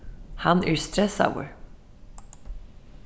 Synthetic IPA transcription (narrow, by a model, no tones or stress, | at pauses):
hanæɹst̪ɾɛsa̰wə̰ɹ